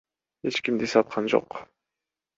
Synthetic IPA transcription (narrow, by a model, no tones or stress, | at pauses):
e̞t͡ʃkimd̪isɑt̪̚qʰɑnd͡ʒo̰q